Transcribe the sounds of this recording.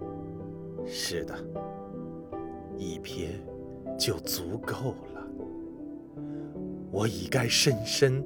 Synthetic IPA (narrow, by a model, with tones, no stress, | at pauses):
ʂɻ̩˥˩d̪ə˩ | i˨˩pʰjɛ˥˧n | t͡ɕjo˥˩ʊt͡su˧˥ko˥˩ʊlə˩ | wɔ˧˥˦i˨˩ka˥ɪʂə˥nʂə˥n